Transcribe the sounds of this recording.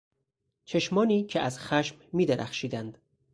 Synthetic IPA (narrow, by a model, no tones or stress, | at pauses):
t͡ʃʰeʃmɒːniːcʰeæzxæʃmmiːd̪eɾʔæ̰xʃiːd̪ænd̪̥